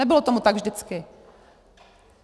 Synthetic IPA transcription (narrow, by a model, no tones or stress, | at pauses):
ɛbɪlot̪omut̪aɡvʒdɪt͡skɪ